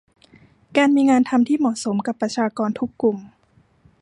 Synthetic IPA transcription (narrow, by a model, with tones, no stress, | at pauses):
kaː˧nmiː˧ŋaː˧nt̪ʰa˧mt̪ʰiː˥˩mɔ˨˩so˩˦mka˨˩pːɾa˧t͡ɕʰaː˧kɔː˧nt̪ʰu˦˥kːlu˨˩m